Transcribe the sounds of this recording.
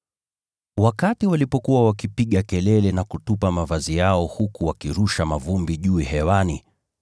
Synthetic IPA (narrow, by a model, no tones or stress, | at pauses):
wakatiwalipɔkuwawakipiɠakɛlɛlɛnakutupamavazijaɔhukuwakiɾuʃamavumbiʄuihɛwani